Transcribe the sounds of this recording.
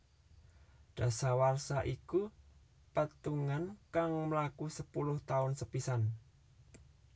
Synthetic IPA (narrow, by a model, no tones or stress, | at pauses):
ɖ̪̥a̤sawarsaʔiku | pət̪uŋankaŋməlakusəpulʊht̪aʊnsəpisan